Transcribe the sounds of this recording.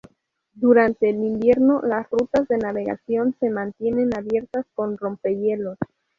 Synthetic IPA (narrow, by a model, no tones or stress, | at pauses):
d̪uɾant̪e̞ːlimbje̞ɾnolasrut̪azðe̞naβe̞ɣa̰sjo̞nse̞mãnt̪je̞ne̞naβje̞ɾt̪asko̞nro̞mpe̞je̞lo̞s